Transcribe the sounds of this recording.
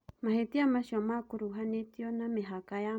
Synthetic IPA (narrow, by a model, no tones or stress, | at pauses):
maɦet̪iamaʃomakuɾuɦanet̪jonameɦakaja